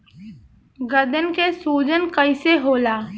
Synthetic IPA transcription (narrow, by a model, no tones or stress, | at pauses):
ɡəd̪ənkesuːd͡ʒənkəɪseɦoːlaː